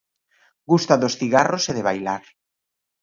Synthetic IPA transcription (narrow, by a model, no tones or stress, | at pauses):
ɡust̪aðosθiɣaroseðeβajlaɾ